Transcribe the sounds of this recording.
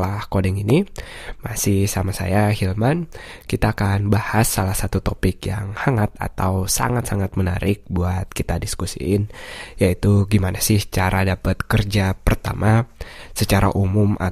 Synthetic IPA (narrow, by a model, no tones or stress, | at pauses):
lahkodɛŋinimasɪhsamasa̰jahilmankit̪aːkanbahasːalahsat̪ut̪opɪkjaŋhaŋat̪̚a̰t̪awsa̰ŋat̪saŋat̪̚məna̰ɾɪk̚buat̪̚kit̪adiskusḭɪnjait̪uɡimanasɪht͡ʃaɾʔadapət̪̚kərd͡ʒapərt̪a̰mʔasət͡ʃaɾa̰ʔumʊma̰